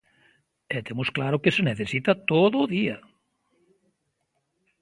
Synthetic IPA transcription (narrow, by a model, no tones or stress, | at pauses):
et̪emosklaɾʊkeseneθesit̪at̪oðʊːðiɐ